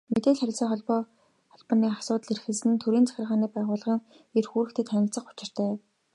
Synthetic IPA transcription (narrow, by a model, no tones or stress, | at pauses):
met̪eːɮχæɾʲɪ̆ɮsiːŋχɔɮpɔː | χɔɮpɔ̆niːasʊːt̪ə̆ɮerxɘ̆ɮsɘ̆nt̪ʰɵɾiːnt͡sʰḁxʲɪ̆rʁaːniːpæːʁʊːɮʁĭŋ | erxuːɾɘ̆xt̪ʰĕːt̪ʰːænʲɪ̆ɮt͡sə̆qʊ̥t͡ɕɪ̆r̥t̪ʰæː